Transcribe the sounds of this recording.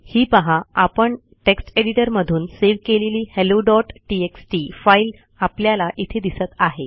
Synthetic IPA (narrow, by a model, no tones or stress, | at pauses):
hiːpəɦãapəɳ | ʈeksʈeɽiʈəɾməd̪ʱuːnseʋkeleliːheloɖɔʈʈieksʈifail | apljalaʔit̪ʰed̪isət̪aɦe